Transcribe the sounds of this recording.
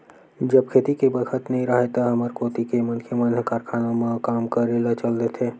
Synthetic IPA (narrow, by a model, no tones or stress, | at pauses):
d͡ʒɐb̚kʰeːt̪ikebəkʰət̪nəɦĩɾɐɦet̪aɦɐməɾkoːt̪ikemɐnkʰjəmənkaːɾkʰaːnamãkaːmkəɾelət͡ʃəld̪et̪ʰeː